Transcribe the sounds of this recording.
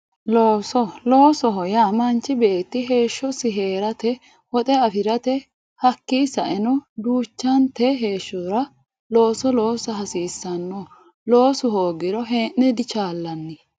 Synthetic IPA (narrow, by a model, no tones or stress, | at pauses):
loːsɔlo̞ːsɔɦɔjamɐnt͡ʃːɪbeːt̪ːɪɦe̞ːʃːɔsɪɦeːɾɐt̪ɛ | wɔt̪ʼɛɐfɪɾɐt̪ɛ | hɐkːiːsɐʔɛnɔd̪uːt͡ʃːɐnt̪ɛɦe̞ːʃːɔɾɐ | lo̞ːsɔlo̞ːsɐɦɐsiːsːɐnːɔ | loːsʊhoːɡɪɾɔɦɛːnːɛd̪ɪt͡ʃaːlːɐnːɪ